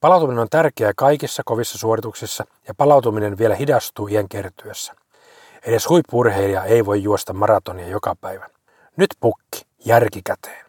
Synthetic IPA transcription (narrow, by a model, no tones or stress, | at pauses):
pɑlɑwt̪uminenot̪ærkeækɑikisːɑkoʋisːɑsuorit̪uksisːɑ | jɑpɑlɑwt̪uminenʋielæhidɑst̪uːieŋkert̪yøsːæ̥ | edeshuipːurheilɑeiʋojːuost̪ɑmɑrɑt̪oniɑjokɑpæiʋæn | nyt̪pukːi̥ | jærkikæt̪ʰe̥ːn